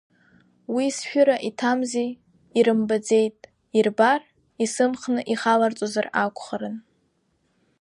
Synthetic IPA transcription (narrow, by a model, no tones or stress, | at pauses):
wisʃᶣʊɾaʔitʰamze | iɾɨmbad͡ze̞jtʼ | irbar | isɨmχnɨʔiχalart͡sʼozarakʷʰʼχaɾɨn